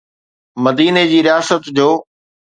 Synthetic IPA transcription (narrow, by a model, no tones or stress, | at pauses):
mɐd̪iːned͡ʑiːɾɪjaːsət̪d͡ʑoː